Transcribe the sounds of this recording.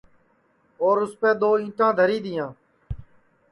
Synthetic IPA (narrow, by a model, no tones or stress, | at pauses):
oːɾʊspeːd̪oːĩːʈãːd̪ʱəɾiːd̪ɪjãː